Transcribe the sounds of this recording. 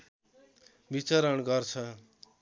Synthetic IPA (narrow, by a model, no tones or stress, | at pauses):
bit͡sʌɾʌɳɡʌrt͡sʰʌ